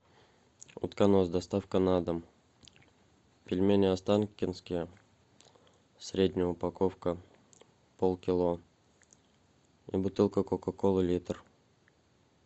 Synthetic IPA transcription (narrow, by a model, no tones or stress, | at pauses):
ʊ̰t̪kanosd̪ɐst̪afkənad̪əm | pʲɪlʲmʲenʲɪast̪ankʲɪnskʲɪjə | sɾʲedʲnʲɪjəʊpakofkə | polˠkʲɪlˠo | ḭbʊt̪ɨlˠkəkokakolˠɨlʲit̪r